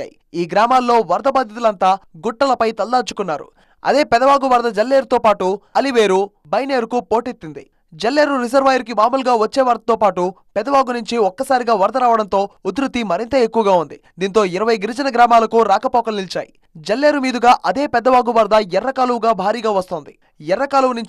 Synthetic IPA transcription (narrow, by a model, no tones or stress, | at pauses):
a̰ji | iːɡɾaːmaːlːo̞ːʋɐɾd̪ɐbaːd̪ʱjit̪ulɐnt̪aːɡuʈːɐlɐpɐjt̪ɐld̪aːt͡ʃu̥kunːaːɾṵ | ɐ̰d̪e̞ːpɛd̪ɐʋaːɡuʋɐɾd̪ɐd͡ʒɐlːe̞ːɾut̪o̞ːpaːʈuɐliʋeːɾu | bɐjne̞ːɾukupo̞ːʈet̪ːind̪ḭ | d͡ʒɐlːe̞ːɾuɾizɐɾʋaːjɐɾk̬imaːmulɡaːʋɐt͡ʃːeːʋɐɾd̪ɐt̪oːpaːʈu | pɛd̪ɐʋaːɡunuɲt͡ʃiɔkːɐsaːɾiɡaːʋɐɾd̪ɐɾaːʋɐɽɐnt̪o̞ːud̪ɾut̪ːimɐɾint̪ɐekːuʋɐɡaːund̪i | d̪iːnt̪o̞ːiɾɐʋɐjɡiɾid͡ʒɐnɐɡɾaːmaːlɐkuɾaːkɐpɔːkɐlnilt͡ʃa̰ːjḭ | d͡ʒɐlːe̞ːɾumiːd̪uɡaːʔɐd̪e̞ːpɛd̪ːɐʋaːɡuʋɐɾd̪ɐjɛrːɐkaːluʋuɡaːbʱaːɾiːɡaːʋɐst̪oːnd̪i | jɛɾːɐkaːluʋnuɲ